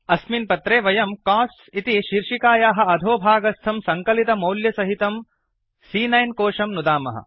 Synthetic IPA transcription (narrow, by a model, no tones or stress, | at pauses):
ɐsminpɐt̪ɾeːʋɐjɐmkaːs | it̪iʃiɾʂikaːjaːɦɐ̆ɐd̪ʱoːbʱaːɡɐst̪ʰɐmsɐŋkɐlit̪ɐmɐwljɐsɐɦit̪ɐm | siːnɐjnkoːʂɐmnud̪aːmɐ̰ɦɐ̰